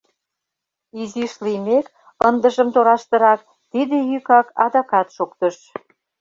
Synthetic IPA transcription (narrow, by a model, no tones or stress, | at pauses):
iziʃlimek | ənd̪əʒə̆mt̪oɾɑʃt̪ə̆ɾɑk̚ | t̪id̪ejykɑkɑ̰d̪ɑkɑt̪ʃokt̪əʃ